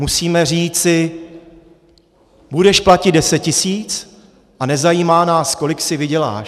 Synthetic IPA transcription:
musiːmɛriːt͡sɪ | budɛʃplacɪddɛsɛt̚cɪsiːt͡s | ʔanɛzajiːmaːnaːsko̞lɪksɪvɪɟɛla̰ːʃ

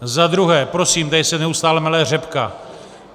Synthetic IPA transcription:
zad̪ɾuɦɛːpɾo̞siːmt̪ajsɛnɛust̪aːlɛmalɛːr̝ɛpka

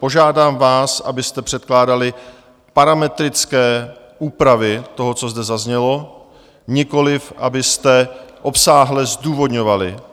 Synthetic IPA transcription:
po̞ʒaːdaːmvaːsʔa̰bɪst̪ɛpr̝̥ɛt̪̚klaːdalɪ | paɾamɛt̪ɾɪt͡skɛː | ʔuːpɾavɪt̪o̞ɦo̞t͡so̞zd̪ɛzazɲɛlo̞ | ɲɪko̞lɪfʔa̰bɪst̪ɛʔo̞psaːɦlɛzduːvo̞d̪ɲo̞valɪ̰

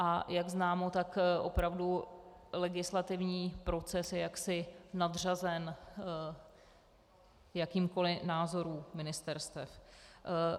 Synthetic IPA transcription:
ʔajaɡznaːmo̞t̪akʔo̞pɾavdu | lɛɡɪslat̪ɪvɲiːpɾo̞t͡sɛsjɛjaksɪnadr̝azɛn | jakiːmko̞lɪnaːzo̞ɾuːmɪnɪst̪ɛɾst̪ɛf

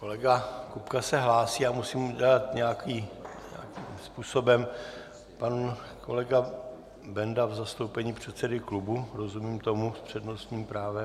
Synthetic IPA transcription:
ko̞lɛɡakupkasɛɦlaːsiːamusiːmuɟɛlat̪ɲɛjakiɲɛ̰akimspuːso̞bɛm | pan | kʰo̞̰lɛɡa | bɛndavzast̪o̞wpɛɲiːpr̝̥ɛt̪sɛdɪklubuɾo̞zumiːmt̪o̞muspr̥ɛdno̞st̪ɲiːmpɾaːvɛ

